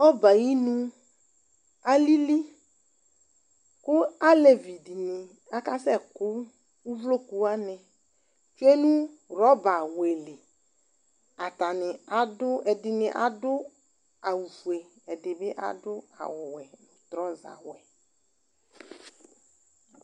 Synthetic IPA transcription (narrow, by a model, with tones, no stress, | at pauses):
ɔ˦ba˨ji˦nũ˦ | a˦li˦li˦ | kʊ˦a˦le˨vi˨di˨nɪ˨ | a˦ka˦sɛ˦˨kʊ˦ | u˦vlo˦ku˨a˦nɪ˨ | t͡ʃwe˦nũ˦ | ɾɔ˦ba˨we˨lɪ˨ | a˨ta˨nɪ˨a˨dʊ˦ɛ˨dɪ˨nɪ̃˨ʔa̰˨dʊ˦ | a˨wu˨fu˨e˨ | ɛ˨dɪ˨bɪ˦ʔa̰˨dʊ˦a̰˨wʊ˨wɛ˨nʊ̃˨t̪ɾɔ˦za̰˨wɛ˨